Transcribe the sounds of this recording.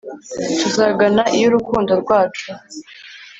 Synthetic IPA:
tuzaɡanaʔijuɾukuːndo̞ɾɡwaːt͡ʃu

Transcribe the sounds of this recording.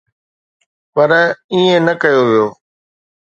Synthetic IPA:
pɐɾiːẽnɐkəjoʋijoː

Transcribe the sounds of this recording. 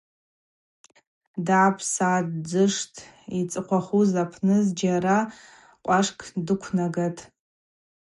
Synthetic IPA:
daːpʰsaːdd͡zɨʂtʰit͡sʼɨqʷʰaχuzapʰnɨzd͡ʒaɾa | qʷʼaʂkʰʼdɨkʷʰnaɡatʼ

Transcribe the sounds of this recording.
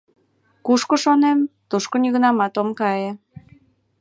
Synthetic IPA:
kuʃkoʃonemt̪uʃkonjiɣnɑmɑt̪omkɑje

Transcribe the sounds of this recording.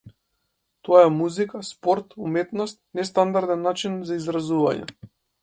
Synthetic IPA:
t̪ɔaamuzikaspɔɾt̪umɛt̪nɔst̪nɛst̪and̪aɾd̪ɛnːat͡ʃinzaizɾazuva̰ɲɛ̰

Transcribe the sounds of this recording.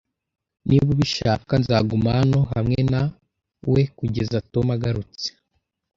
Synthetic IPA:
niβuβiʃaːkanzaɡumaano̞ɦamŋe̞na | we̞kuɟe̞zatomaɡaɾut͡se̥

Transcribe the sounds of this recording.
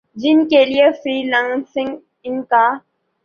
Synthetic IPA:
d͡ʒɪnkelijefɾiːlãnsɪ̃ŋɡ | ɪnka

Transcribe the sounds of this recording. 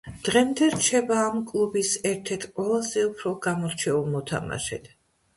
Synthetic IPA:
d̪̥ʁɛmd̪ɛɾt͡ʃʰɛbaːmkʼlˠubisɛɾt̪ʰɛɾt̪ʰqʼwɛlˠazɛupʰɾɔɡamɔɾt͡ʃʰɛulˠmɔt̪ʰa̰ma̰ʃɛ̰t̪

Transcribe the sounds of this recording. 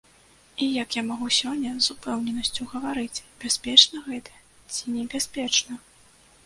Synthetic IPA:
ijɐkjamaɣusʲɔnʲːɐzupɛwnʲɛnɐsʲt͡sʲuɣɐvaɾɨt͡sʲbʲɛspʲɛt͡ʂnɐɣɛt̪ɐ̥ | t͡sʲinʲɛbʲɛspʲɛt͡ʂnɐ

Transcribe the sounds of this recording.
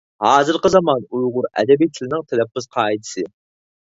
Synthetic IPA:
hɑːzɨɾqəzɑmɑnujʁʊɾɛ̰d̪ɛbijt̪ʰɪlɪnɪŋt̪ʰɛlɛpːɪz̥qʰɑːit̪ʰɨ̥sɨ

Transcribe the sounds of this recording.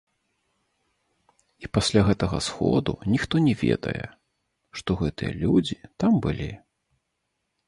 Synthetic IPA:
ipasʲlʲaɣɛt̪ɐɣɐsxɔ̰d̪ṵnʲixt̪ɔnʲɛvʲɛ̰d̪ɐ̰jɛ̰ | ʂt̪ɔɣɛt̪ɨjɐ̰lʲud͡zʲit̪ambɨlʲi

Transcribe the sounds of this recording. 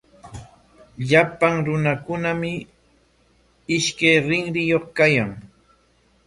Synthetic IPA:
ʎapaŋɾʊnakʊnamɪ | ɪʃkajɾɪŋɾɪjoχkajaŋ

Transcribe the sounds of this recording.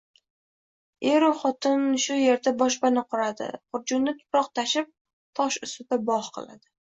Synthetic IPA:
eɾʊχɒt̪ɪnʃʊje̞ɾd̪abɒʃbanɪqʰʊɾad̪ɪ̰χʊɾd͡ʒʊnnɪt̪ʰʊ̥pɾɒqt̪ʰaʃɪp̚ | t̪ʰɒʃʊst̪ɪd̪abɒhqʰɨ̰la̰d̪̥ɪ

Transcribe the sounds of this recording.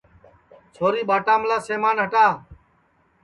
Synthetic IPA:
t͡ʃʰoːɾiːɓaːʈaːmlaːseːmaːnɦəʈaː

